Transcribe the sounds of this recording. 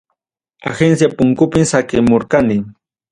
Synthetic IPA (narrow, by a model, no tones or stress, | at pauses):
a̰xensjapʊŋkʊpɪmsakɪmoɾkanɪ